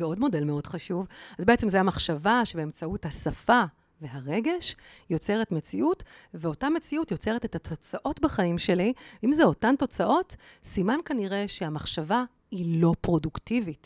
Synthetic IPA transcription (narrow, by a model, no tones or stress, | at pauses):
eo̞dmo̞de̞lmeo̞dχaʃuvazbeet͡semzajamaχʃavaʃebeemt͡sauthasafa | ve̞ɦaʁe̞ɡe̞ʃjo̞t͡se̞ʁetmet͡siʔutveo̞tame̞t͡siutjo̞t͡se̞ʁ̞etethatʰo̞t͡saʔo̞tbaχaimʃe̞liimzeo̞tanto̞t͡saʔo̞tsimankaniʁe̞ʃeamaχʃava | ilo̞pʁo̞duktivit